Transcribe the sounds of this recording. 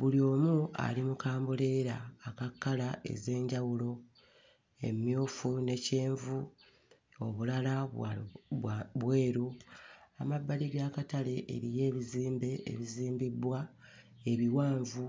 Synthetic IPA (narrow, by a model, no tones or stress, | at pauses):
βulio̞ːmua̰limukaːmbole̞ɾaːkakːalae̞̰ze̞ːɲɟawulo̞ | e̞̰mjoːfune̞ce̞ːɱvu | o̞βulala | βwe̞ːɾu | amabːaliɡakatale̞ʔːɾije̞ːβiziːmbe̞ḛβiziːmbibːwa | e̞βiwaːɱvu